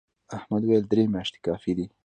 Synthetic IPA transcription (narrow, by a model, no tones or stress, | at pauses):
ahmad̪wajald̪ɾemjɑʃt̪e̥kɑfid̪i